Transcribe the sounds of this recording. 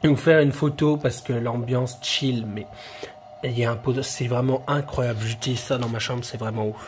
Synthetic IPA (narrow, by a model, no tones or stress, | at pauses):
ũfɛʁynfot̪opaʁsə̥kəlɑ̃bjɑ̃sʃilmɛ | ljaɛ̃pod̪sɛvʁɛmɑ̃ɛ̃kχwajablʒəd̪iʁsad̪ɑ̃maʃɑ̃bʁsɛvʁɛmɑ̃uf